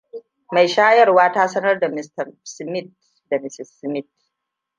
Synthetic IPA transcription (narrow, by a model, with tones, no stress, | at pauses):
ma˨jʃaː˦jɐ˦rwaː˦taː˦sɐ˦nɐ˦rda˨mɪ˨stɐ˨rsmɪ˦˨t̚ | da˨mɪ˦sɪ˨sːmɪ˦t